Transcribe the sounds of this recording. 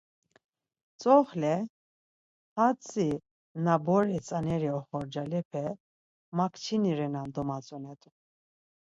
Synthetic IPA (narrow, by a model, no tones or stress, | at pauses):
t͡sʼɔχlɛ | at͡sʼi | nabɔɾɛt͡sʼanɛɾiɔχɔɾd͡ʒalɛpʰɛ | makʰt͡ʃʰiniɾɛnand̪ɔmat͡sʼɔnɛt̪ʼu